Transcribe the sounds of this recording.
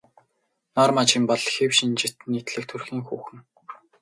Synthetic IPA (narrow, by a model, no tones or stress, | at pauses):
nɔrmat͡ɕĭmpɔɮxewʃint͡ɕit̪nːiːt̪ɮɘ̆k̚t̪ʰɵrxiːŋxuːxɘ̆ŋ